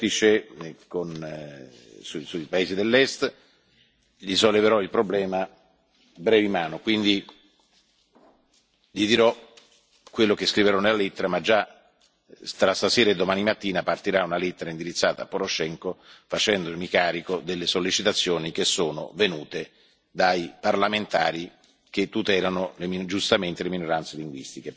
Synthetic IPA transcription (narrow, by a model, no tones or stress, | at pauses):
it͡ʃekon | susuipaeːzid̪elːɛst̪ | ʎisolːeveɾɔilpɾoblɛːma | bɾɛːvimaːnokwind̪i | ʎid̪iɾɔ | kːwelːokeskɾiveɾɔnelːalet̪ːeɾamad͡ʒːa | t̪ɾast̪asɛːɾaed̪ːomaːnimat̪ːiːnapart̪iɾaunalet̪ːeɾaind̪iɾit̪sːaːt̪a̰pːoɾoʃɛŋkofat͡ʃɛnd̪oimikaːɾikod̪elːesolːit͡ʃit̪at̪sːjoːnik̟esːoːno̰venuːt̪e | d̪aiparlament̪aːɾi | k̟et̪ːut̪ɛːlanolemid͡ʒust̪ament̪eleminoɾant̪seliŋɡwḭst̪ike